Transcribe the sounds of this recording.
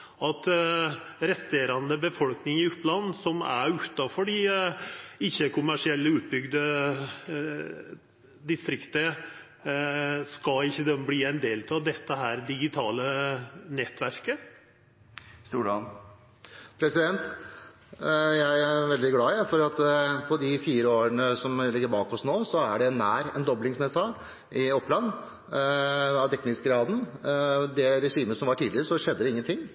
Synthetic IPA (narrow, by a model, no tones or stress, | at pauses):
ɑt̪ | ɾɛst̪eːɾɑnd̪əbəfɔlknɪŋɪʉp̪ːlɑnːsɔmæ̰ɾʉt̪ːɑfɔɖɪ | ɪçːəkʰʊmæʂɪɛlːəʉːt̪̚bʏɡd̪ə | d̪ɪst̪ɾɪkt̪ə | skɑɪçːəd̪ɛmbliːɛɪnd̪eːlt̪ʰɑʋd̪ɛt̪ːəɦæːɾd̪ɪɡɪt̪ʰɑːlənɛt̪ʋæɾkə | st̪uːɖɑn | pʰɾɛsɪd̪ɛnt̪ | jæɪæɾʋɛld̪ɪɡlɑːɪæfɔɾɑt̪pʰɔd̪ɪfiːɾəoːɾəɳəsɔmlɪɡːəɾbɑːkɔsnoːsɔæɖɛnːæːɾɛ̰nd̪ɔblɪŋsmɛsɑ | ʔɪɔpːlɑnː | ɑʋt̪ʰɛknɪskɡɾɑːd̪n̩d̪ɛɾɛʂiːməsɔmʋɑʈʰiːd̪lɪɾəsɔʂɛd̪ːəd̪ɛɪŋːənt̪ʰɪŋː